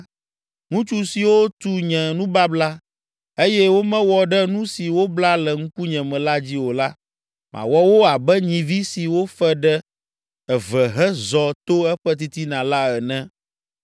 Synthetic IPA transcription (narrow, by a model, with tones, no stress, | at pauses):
ŋũ˦t͡ʃu˦si˨wo˦t̪u˦ɲɛ̃˨nũ˦ba˦bla˦ | e˦jɛ˦wo˦mɛ̃˦wɔ˨ɖɛ˦nũ˦si˨wo˦bla˦lɛ˨ŋ̩̃˦ku˦ɲɛ̃˨mɛ̃˨la˦d͡ʑi˦wo˨la˦ | mʔã̰˨wɔ˦wo˦a˨bɛ˦ɲĩ˨vi˦si˨wo˦fɛ˦ɖɛ˦ | ɛ˨vɛ˨ɦɛ˦zɔ˨t̪o˦ɛ˦ɸɛ˦t̪̬i˦t̪i˦nã˨la˦ɛ˨nɛ̃˦